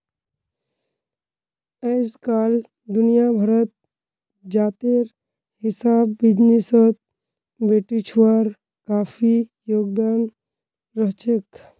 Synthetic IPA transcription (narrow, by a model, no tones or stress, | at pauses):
ɛd͡ʒkaːl | d̪ʊnijabʱəɾət̪̚ | d͡ʒaːt̪eɾ | ɦɪsaːbːɪd͡ʒnisət̪̚ | beːʈit͡ʃʰwaɾ | kaːpʰijoːɡd̪aːn | ɾəɦt͡ʃek